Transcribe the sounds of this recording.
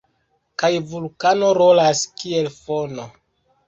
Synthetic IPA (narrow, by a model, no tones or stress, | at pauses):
kajvulkano̞ɾolaskie̞lfono